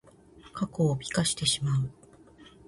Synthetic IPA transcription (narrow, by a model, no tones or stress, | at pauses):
kako̞ːbʲi̥kaɕi̥t̪e̞ɕimaɯ̟